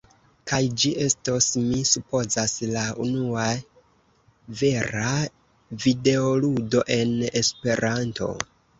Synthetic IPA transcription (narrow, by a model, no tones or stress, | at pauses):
kajd͡ʒiʔe̞stosmisupo̞zaslaunua | ve̞ɾa | vide̞oludo̞ʔe̞ne̞spe̞ɾanto̞̰